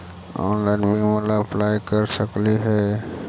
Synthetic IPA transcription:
ɔ̰ːnlaːɪnbiməlaplaːjkəɾsəkliɦɛː

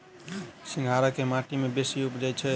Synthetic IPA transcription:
siŋɡʱaɾəkemaʈimebesiupd͡ʒat͡ʃʰɛ

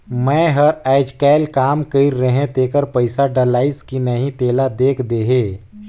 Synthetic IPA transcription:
mɛ̃ɦəɾɛːɪd͡ʒkɛːlkaːmkəɪɾːəɦẽt̪eːkəɾpəɪsaɖəlaːɪskinəɦĩt̪eːlad̪eːkʰd̪eːɦeː

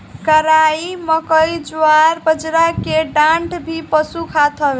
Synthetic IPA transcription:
kəɾaimʌkʌjd͡zwaɾbəd͡zɾakeɖaɳʈbʱipʌsukʰat̪ʰʌ

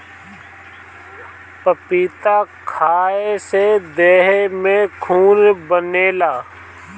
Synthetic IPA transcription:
pəpiːt̪akʰaːesed̪eːɦemẽkʰuːnbəneːlaː

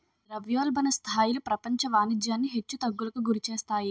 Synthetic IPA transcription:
ɾɐʋjoːlbɐnɐst̪ʰaːjilupɾɐpɐɲt͡ʃɐʋaːnid͡ʒjaːnːiɦe̞t͡ʃːut̪ɐɡːulɐkuɡuɾit͡ʃɛːst̪aːji

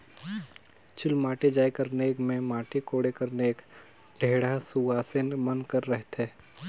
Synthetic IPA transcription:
t͡ʃʰʊlmaːʈed͡ʒaːjkəɾneeːkmẽmaːʈekoːɽekəɾneeːk | ɖʱeːɽasuaːsenmənkəɾːɛɦt̪eː

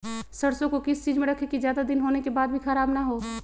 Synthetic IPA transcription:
sɐɽsõkokɪst͡ʃiːd͡ʒmẽɾɐkʰekizjaːd̪ad̪ɪnɦoːnekebaːd̪̚bʱixɐɾaːbnaɦoː

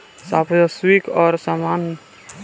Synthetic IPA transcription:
saːpəswikɔːɾsamaːn

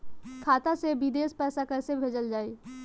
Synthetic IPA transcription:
kʰaːt̪asebɪd̪eːspɛːsakɛːsebʱeːd͡ʒəld͡ʒaːiː

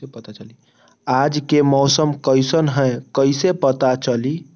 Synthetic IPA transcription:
epət̪at͡ʃəli | ad͡ʒkemɔːsəmkəɪsənɦɛ̃kəɪsepət̪at͡ʃəli

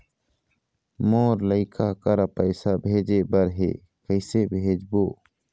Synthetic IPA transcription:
moːɾləɪkʰaːkəɾapəɪsaːbʱeːd͡ʒeːbəɾɦḛː | kəɪseːbʱeːd͡ʒboː

